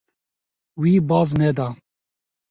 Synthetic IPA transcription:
wibɑːznɛd̪a

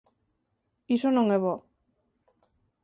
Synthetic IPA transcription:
isonoŋeβo

